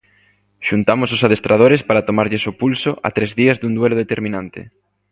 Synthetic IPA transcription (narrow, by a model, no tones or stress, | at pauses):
ʃunt̪amʊs̬osað̞est̪ɾað̞oɾespaɾat̪omaɾʎɪsopulsoʔa̰t̪ɾezðiazðund̪weloðet̪eɾmĩnant̪ɪ̰